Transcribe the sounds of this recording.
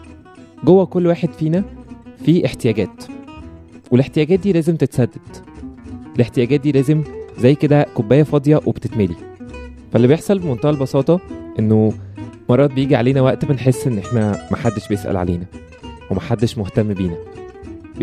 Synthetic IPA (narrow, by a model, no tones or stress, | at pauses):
ɡowːækolːwaːħed̪fiːnæfiːʔeħt̪ejæɡæːt̪ | weleħt̪ejæːɡːt̪̚d̪iːlæːzemt̪et̪sæd̪ːæd̪̥ | eleħt̪ejæːɡæːt̪̚d̪iːlæːzemzæjːked̪ækobːæːjːæfɑd̪ˤjɑwʔebt̪et̪melḭ | fælːibejeħsˤɑlbemont̪æʔælbɑsɑːt̪ˤɑʔenːomɑɾˤːɑːt̪̚bejiːɡiʕaleːnæwæʔt̪benħesːʔenːʔeħnæmæħad̪ːeʃbejesʔæ̰lʕa̰lḛːnæ | wemæħad̪ːeʃmoht̪æmːbiːnæ